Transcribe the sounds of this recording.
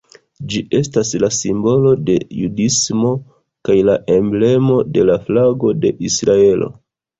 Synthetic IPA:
d͡ʒiʔe̞staslasimbo̞lo̞de̞̰jṵdismo̞ | kajlaʔe̞mble̞mo̞de̞laflaɡo̞de̞ʔisɾae̞lʔo̞̰

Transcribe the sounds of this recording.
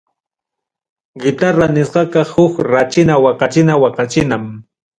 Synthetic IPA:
ɡɪt̪aɾanɪsqɑkɑhʊkɾat͡ʃɪnawɑqɑt͡ʃɪnawɑqɑt͡ʃɪnam

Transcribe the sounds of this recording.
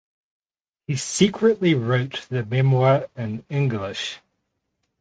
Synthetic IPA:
hisiˑkʰɹəʔliɹəʊt̪ðɨmɛmwɑːɪ̃nɪ̃ŋɡlɪʃ

